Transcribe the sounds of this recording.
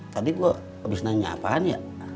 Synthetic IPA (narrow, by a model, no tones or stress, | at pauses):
t̪apiɡuaʔ | bisnaɲa̰paːnja̰